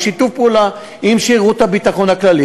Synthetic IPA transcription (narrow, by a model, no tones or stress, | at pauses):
ʃit̪ufpula | imʃiʁut̪abit̪aχo̞naklali